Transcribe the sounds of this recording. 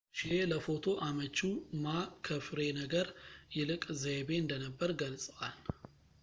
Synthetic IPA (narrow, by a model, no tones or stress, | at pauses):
ʃeləfo̞t̪ʰo̞ʔamət͡ʃːumakʰəfɾe̞nəɡəɾjɛlɨkʼzebeɨnd̪ənəbːəɾɡəlsʼəwal